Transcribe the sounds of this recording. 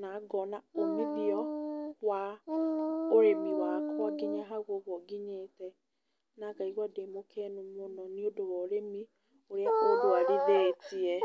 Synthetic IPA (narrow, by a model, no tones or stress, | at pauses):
naɡɔnaomeβiɔwa | oɾemiwakaɡeɲɛɦaɣoɣwɔɡiɲetɛ | nakaiɣwademokʰɛnomonɔniodowɔɾemi | oɾjakodowaɣeðɛtiɛ